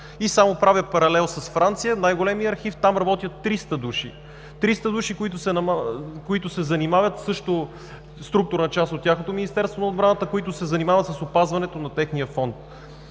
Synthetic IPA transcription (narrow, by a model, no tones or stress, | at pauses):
isamopɾavʲjəpɐɾɐlɛlˠsɐsfɾant̪sijənajɡolɛmijəɐɾxift̪amɾɐbɔt̪ʲiət̪ːɾist̪əd̪uʃḭ | t̪ɾist̪əd̪uʃikʊit̪ʊsɛnɐkoit̪ʊsɛzɐnimavʲjət̪sɤʃt̪o | st̪ɾuk̚t̪ʊɾnət͡ʃast̪ot̪ʲːjaxnot̪ominist̪ɛɾst̪vonod̪bɾanət̪əkoit̪ʊsɛzɐnimavɐt̪sɐsʊpazvɐnɛt̪onɐt̪ɛxnijəfɔnt̪